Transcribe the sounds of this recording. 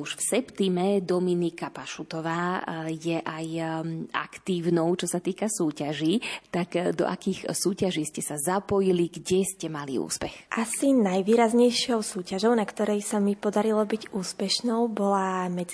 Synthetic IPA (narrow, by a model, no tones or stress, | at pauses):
uʃfsɛpt̪imɛd̪ɔminikapaʃut̪ɔʋaːjɛʔaja̰kt̪iːʊnɔʊt͡ʃɔsat̪iːkasuːcaʒiːt̪akd̪ɔ̰ʔa̰kiːxsuːcaʒiːscɛsazapɔjiliɡɟɛscɛmalḭṵːspɛxʔasinajʋiːɾazɲɛjʃɪɔʊsuːcaʒɔʊnakt̪ɔɾɛjsamipɔd̪aɾilɔbiɟuːspɛʃnɔʊbɔlamɛd͡z